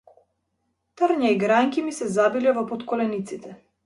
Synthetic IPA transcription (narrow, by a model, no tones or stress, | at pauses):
t̪əɾɲaiɡɾaŋkʲimisɛzabilɛvɔpɔt̪kɔlɛnit̪sit̪ɛ